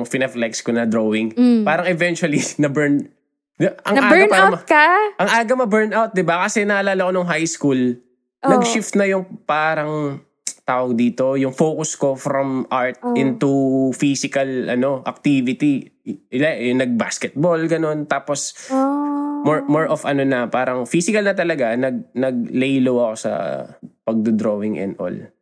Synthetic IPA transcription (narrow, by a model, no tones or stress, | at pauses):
ŋfɪnɛflɛkskonɐd̪ɾoːwɪŋpaːɾɐŋɛvɛnt͡ʃʊɐlinɐbɛɹn | d̪ɪbaʔɐŋaːɡpaɾaɐkaʔɐŋʔaːɡɐmɐbɛɹnawt̪̚d̪ɪbakɐsɛnɐʔɐlaːlɐkonʊŋɦajskul | nɐɡʃɪft̪̚nɐjʊŋpaːɾɐŋ | t̪aːwɐɡ̚d̪iːt̪o̞jʊŋfoːkʊskofɾɔmʔaɹt̪̚ʔɪnt̪ufiːsɪkɐlʔɐno̞ʔɐk̚t̪iːvɪt̪i | ɪlanɐɡ̚ba̰skɛt̪̚bolɡɐno̞nt̪aːpos | mɔɹmɔɹʔɔfɐnonɐpaːɾɐŋfisɪkɐlnɐt̪̬ɐlɐɡanɐɡ̚nɐɡ̚lɛjlowɐko̞sɐ̰pɐɡ̚d̪od̪ɾoːwɪŋʔɛ̰nʔo̰l